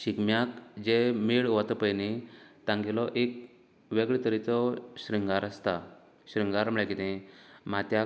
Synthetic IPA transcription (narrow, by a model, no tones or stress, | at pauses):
ɕikmjakd͡ʑemiɭʋat̪əpəjnit̪ãŋɡilɔʔek̚ | ʋeɡɭet̪əɾit͡sɔɕɾiŋɡaɾəst̪a | ɕɾiŋɡaɾməɭakit̪ɛ̃mat̪ja